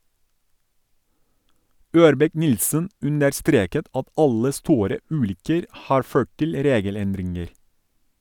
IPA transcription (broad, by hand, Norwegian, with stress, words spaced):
ˈøːɾbɛˌknɪlsən ˈʉnəɾˌstɾeːkət ˈɑt ˈɑlə ˈstuːɾə ˈʉːlʏkəɾ ˈhɑːɾ ˈføː ˈʈɪl ˈɾeːɡəˌlɛndɾɪŋəɾ